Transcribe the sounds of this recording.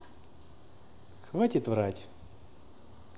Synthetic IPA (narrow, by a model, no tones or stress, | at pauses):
xvatʲɪt̪vratʲ